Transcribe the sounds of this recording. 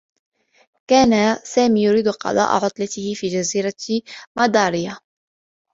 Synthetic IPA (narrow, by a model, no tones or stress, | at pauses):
kaːnasaːmiːjʊɾiːd̪qɑ̰d̪ˤɑ̰ːʔa̰ʕʊt̪ˤlat̪ɪhɪfiːd͡ʒaziːɾamɑd̪ˤɑːɾɪja